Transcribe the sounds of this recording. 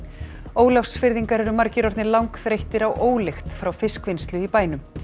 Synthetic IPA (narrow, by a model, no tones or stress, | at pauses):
oːwlafsfɪɾðiŋkaɾɛɾʏmaɾcɪɾɔɾt̪nɪlawŋkθɾejht̪ɪɾawʔoːwlext̪fɾawfɪskvɪnst̪lʏipaːjnʏm